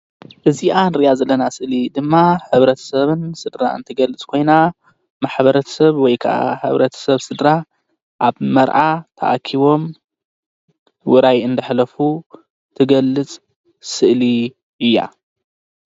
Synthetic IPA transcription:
ʔɨziʔanɾijazɐlːɐnasɨʔlid̪ɨmːaħɨβɾɐt̪ʰɐ̥sɐβɨnsɨd̪ɾa̰ɨ̰nt̪ʰɨɡɐlːɨt͡sʼkʰo̞jna | maħβɐɾɐt̪ʰɐ̥sɐβwɔjkʰa̰ʔa̰ħɨ̰βɾɐt̪ʰɐ̥sɐβsɨd̪ɾa | ʔaβmɐɾʕat̪ʰɐ̰ʔa̰kʰiβo̞m | wʊɾajɨnd̪ɐħlɐfu | t̪ʰɨɡɐlːɨt͡sʼ | sɨʔli | ɨjːa̰

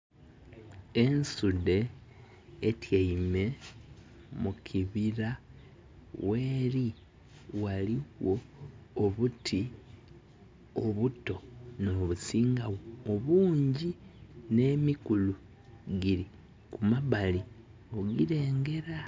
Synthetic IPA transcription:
e̞nsude̞ː | tjaime̞ | mukʰiβiɾa | we̞ːɾi | waliwo̞ː | βutʰi | oβuto̞no̞ːβusiːŋɡawoːβuːɲɟine̞mikulu | ɡiɾi | kumaβali | o̞ɡiɾe̞ːŋɡe̞ɾa

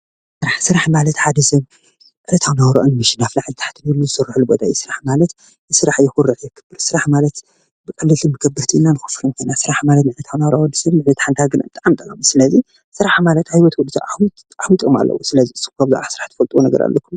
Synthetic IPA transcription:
sɨɾaħsɨɾaħmalɐt̪ħad̪ɐsɐβ | ʕɨlɐt̪ʰawnawɾo̰ʔonɨmɨʃinaflaʕzt̪ʰḁħt̪ʰɨbɐlːuzɨsɨrːħlubot̪ʰʼajɛsɨɾaħmalɐt̪ | jɨsɨɾaħjɛxʊɾːɨʔjɛkʰːɨbɨɾsɨɾaħmalɐt̪ | bɨkʼɐlːɨt̪ʰɨmbɨɡɐbːɨɾt̪ʰiɨnːanɨxɨ̥fɨɾunkʰonasɨɾaħmalɐt̪nɨʕlɐt̪ʰawnawɾʔwɔd̪ːɨsɐβnɨʕlɐt̪ʰħant̪ʰaɡɨnabɨt̪ʼaʔamt̪ʼɐkʼɐmisɨlɐzi | sɨɾaħmalɐt̪hajwɔt̪wɔd̪ːɨsaʔawt̪ | ʔawit̪ʼoma̰lːɐ̰wusɨlɐziɨsɨ̥kʰaβzɨ̰ʕasɨɾaħt̪ɐ̥fɐlt̪ʼwonɐɡɐ̰ɾa̰lːʔɐkʰːum

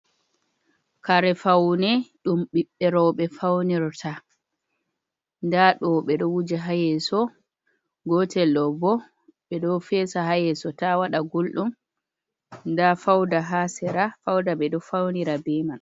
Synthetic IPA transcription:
kaɾɛfawnɛɗumɓiɓːɛɾɔɓɛfawniɾɔtʰa | ndaɗɔɓɛɗɔwud͡ʒaɦajɛsɔ | ɡɔtɛlɗɔbɔ | ɓɛɗɔfɛːsaɦajɛsɔtawaɗaɡulɗum | ndafawdaɦasɛɾafawdaɓɛdɔfawniɾabɛman

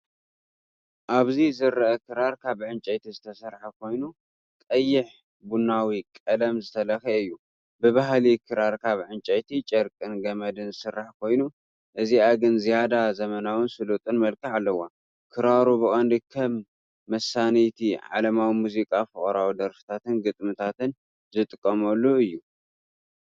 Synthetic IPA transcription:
ʔaβzizɨɾɐʔɐkʰɨɾaɾkʰaβʕɨnt͡ʃʼɐjt̪ʰizɨt̪ʰɐsɐɾħakʰo̞jnu | kʼɐjːɪħ | bunawikʼɐlɐmzɨt̪ʰɐlɐxɐɨjːu | bɨβaɦlikʰɨɾaɾkʰaβʕɨnt͡ʃʼɐjt̪ʰit͡ʃʼɐɾkʼɨnɡɐmɐd̪ɨnzɨsɨrːaħkʰo̞jnu | ʔɨziaɡɨnzijad̪azɐmɐnawɨnsɨlut̪ʼɨnmɐlkʰɨʕalːɐwa | kʰɨɾaɾubɨkʼɐnd̪ikʰɐmː | ɐsanit̪ʰiʕa̰lɐmawimuzikʼafɨχʼɐɾawud̪ɐɾfɨ̥t̪ʰat̪ɨnɡɨt̪ʼmɨt̪ʰat̪ɨn | zɨt̪ʼɨkʼːɐmɐlːuɨjːu

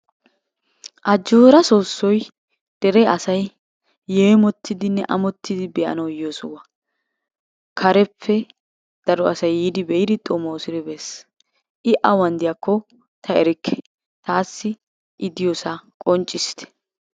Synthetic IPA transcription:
ʔɐd͡ʒːoːɾɐso̞ːsːɔj | d̪̥ɛɾɛʔɐsɐjː | eɛmɔt̪ʰːɪd̪ɪnːɛʔɐmɔt̪ʰːɪd̪ɪbɛʔɐ̰nɐwjoːsʊwɐ | kʰɐɾɛpʰːɛ | d̪̥ɐɾɔɐsɐjːiːd̪ɪbɛjɪd̪ɪt̪ʼɔmoːsɪɾɛbɛs | ʔɪʔɐwɐnd̪ɪjɐkːɔ | t̪ʰɐɛɾɪkʰːɛ̥ | t̪aːsːɪ | ʔɪd̪ɪjoːsɐkʼɔnt͡ʃʼːɪst̪ʰɛ̥

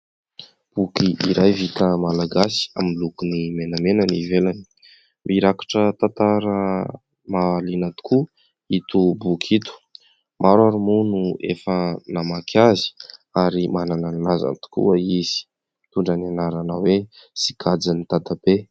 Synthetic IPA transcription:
b̥ukiiɾʔajvit̪əmalaɡasi̥a̰milukunimenamenənivelani̥ | mʔiɾakḁʈ͡ʂət̪at̪aɾə | malinat̪u̥ku | it̪ubukʰit̪u̥ | mʔaɾwaɾumunuḛfənamakʰazi̥aɾimanananlaza̰nt̪u̥kṵəiz̥i̥ | t̪uɳɖ͡ʐananaɾanawesi̥kʰad͡zanit̪ad̪ab̥e

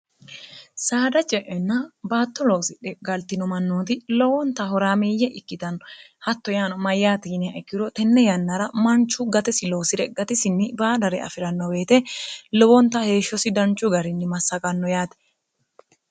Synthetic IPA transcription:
saːd̪ɐt͡ʃʼɛʔɛnːɐbaːt̪ːɔloːsɪᶑɛɡɐlt̪ɪnɔmɐnːoːt̪ɪlɔwɔnt̪ɐɦɔɾaːmiːjːɛʔɪkːɪt̪ɐnːɔhɐt̪ːɔjaːnɔmɐjːaːt̪iːnɛɐɛkːɪɾɔt̪ɛnːɛjɐnːɐɾɐmɐnt͡ʃːʊɡɐt̪ɛsɪlo̞ːsɪɾɛɡːɐt̪ɪsɪnːɪbaːd̪ɐɾɛ̰ɐ̰fɪɾɐnːɔbe̞ːt̪ɛlɔwɔnt̪ɐhe̞ːʃːɔsɪd̪ɐnt͡ʃʼːʊɡɐɾɪnːɪmɐsːɐkʼɐnːɔjaːt̪ɛ̥

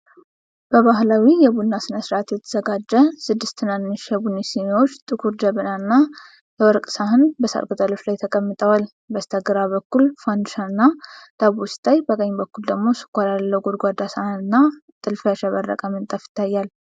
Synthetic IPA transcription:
b̥əβaɦlawijɛbunːasɨnəsɾʔat̪jɛt̪ʰə̥zəɡad͡ʒːəsɨd̪ːɨst̪ʰɨnanːɨʃjɛbunːisimewot͡ʃːt̪ʼɨkʰuɾd͡ʒəβɨnanːa | jɛwɔɾkʼsaɦɨnbəsa̰lkʼut̪ʼəlo̞t͡ʃːlajt̪ʰəkʼəmːɨt̪ʼəwal | bəst̪ʰəɡɨɾaβəkːulfand̪uʃanːad̪̥aβust̪ʰʼajbəkʼəɲːbəkːuld̪əɡmo̞sɨ̥kʷːalalːəwɡod̪ɡʷad̪asahnɨnːa | t̪ʼɨlfəʃɛβərːə̰kʼəmɨnt̪ʼəfɪ̥t̪ʰːajːal

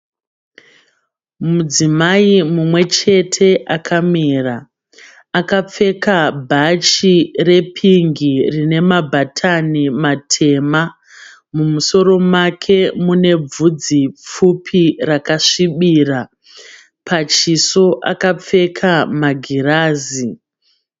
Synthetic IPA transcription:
mud͡zimaimumwe̞t͡ʃe̞tʰe̞ʔakʰamiːraː | kap͡fe̞kabʱat͡ʃire̞pʰiŋɡirine̞mabʱatʰanimatʰe̞ma | mumuso̞ɾo̞mwakʰe̞mune̞b͡vud͡zip͡fupʰirakaʂiɓiːra | pʰat͡ʃiso̞ʔa̰kap͡fe̞kʰamaɡʱiraːzi

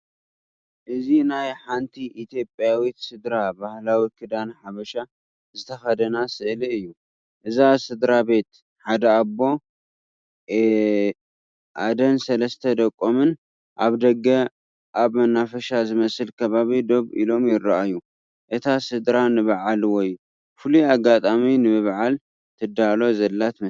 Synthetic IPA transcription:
ʔɨzinajħant̪ʰiʔit̪ʰjo̞pʼjawit̪sɨd̪ɾabahlawikʰɨd̪anħaβɐʃa | zɨt̪ʰɐxɐd̪ɐnasɨʔliɨjːu | ʔɨzasɨd̪ɾabe̞t̪ | ħad̪ɐabo̞ | ʔad̪ɐnsɐlɐst̪ʰɐd̪ɐkʼːomɨn | ʔaβd̪ɐɡːɐ | ʔaβmɐnːafɐʃazɨmɐsɨlkʰɐβaβid̪o̞βḭlo̞mjɪɾaʔajːu | ʔɨt̪ʰasɨd̪ɾanɨβaʕalwɔju | fɨluaɡːat̪ʼaminɨbɨβʕal | t̪ʰɨd̪alo̞zɐlːat̪mɐ

